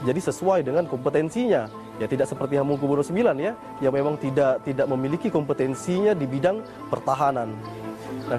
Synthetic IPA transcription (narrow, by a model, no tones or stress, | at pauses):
d͡ʒadisəsuajdəŋankɔmpət̪ɛnsiɲa | jat̪idaʔsəpərt̪iɦamuŋkubunɔsəmbilanja | jaŋmemaŋt̪idaʔt̪idaʔ̚məmilikikɔmpət̪ɛnsiɲadibidaŋ | pərt̪aɦanan | na